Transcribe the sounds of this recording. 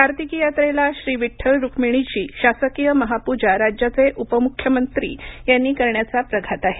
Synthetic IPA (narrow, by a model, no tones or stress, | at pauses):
kaɾt̪ikijat̪ɾelaɕɾiːʋiʈʰːəɭɾukʰmiɽ̃it͡ɕiːɕasəkijəməɦapud͡ʑaɾad͡ʑjat͡seʔupəmukʰjəmənt̪ɾḭːjanːiːkəɾɳjat͡sapɾəɡʱat̪aɦe